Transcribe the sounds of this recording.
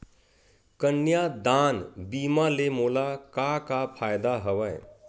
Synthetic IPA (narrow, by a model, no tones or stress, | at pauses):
kənːjad̪anbimalemolakakapʰajd̪aɦəwəj